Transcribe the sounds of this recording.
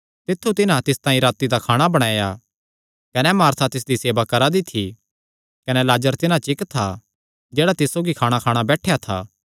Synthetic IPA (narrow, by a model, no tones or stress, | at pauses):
t̪ɪt̪ʰːut̪ɪnãt̪ɪst̪ãːĩɾaːt̪id̪akʰaːɽ̃abɐɽ̃aːja | kɐnɛmaːɾt̪ʰat̪ɪs̬d̪iseːbakɐɾad̪ɪt̪ʰːi | kɐnɛlaːd͡ʒəɾt̪ɪnãt͡ʃɪkt̪ʰːa | d͡ʒɛːɽat̪ɪsːoːɡikʰaːɽ̃akʰaːɽ̃abɛːʈʰejat̪ʰa̰ː